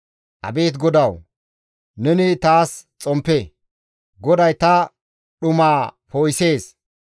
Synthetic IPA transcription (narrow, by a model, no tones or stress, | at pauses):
ʔɐ̰be̞ːt̪̬ɡɔd̪ɐw | nɛnɪt̪aːst͡sʼɔmpːe | ɡɔd̪ɐjt̪ɐ | ɗʊmaːpoːjse̞ːs